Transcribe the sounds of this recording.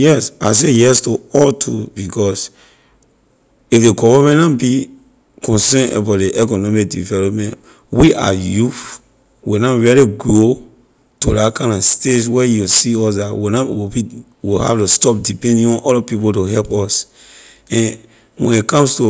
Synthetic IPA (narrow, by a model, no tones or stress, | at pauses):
jɛsas̬ejɛstuɔltʰubikɔs | ifdeɡɔvamɛ̃ntãbi | kʰɔ̃nsɛ̃na̰batdeʔɛkɔnɔmik̚dḭvɛlɔpmɛ̃nt | wiʔa̰juf | winaɹiliɡɹo | tulakãɪ̃ndɔstetwɛjusiɔsdatwinawibi | wiha̰ftustɔp̚dipɛ̃ndĩŋɔ̃nʔɔlapipotoɦɛlpɔs | ɛ̃n | wɛ̰̃nitkɔ̃mstu